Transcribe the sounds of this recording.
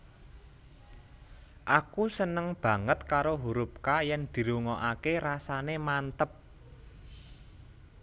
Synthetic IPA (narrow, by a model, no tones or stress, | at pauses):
ʔakusənəŋb̥ä̤ŋət̪kaɾoɦuɾup̚kajɛnd̪̥i̤ɾuŋɔʔakeɾasanemant̪əp̚